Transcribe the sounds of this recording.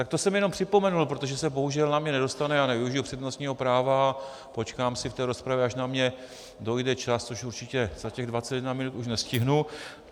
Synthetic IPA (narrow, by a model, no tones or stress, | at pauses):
t̪ak̚t̪o̞sɛmjɛno̞mpr̥ɪpo̞mɛnulpɾo̞t̪o̞ʒɛsɛbo̞ɦuʒɛlnamɲɛnɛdo̞st̪anɛaːnɛvɪuʒɪjupr̥ɛd̪nost̪ɲiːɦo̞pɾaːvaa | po̞t͡ʃkaːmsɪft̪ɛːɾo̞spɾavjɛaʃnamɲɛ | do̞jdɛt͡ʃast͡soʃuɾt͡ʃɪcɛz̥acɛɣdvat͡sɛt̪jɛdnamɪnut̪uʃnɛscɪɦnu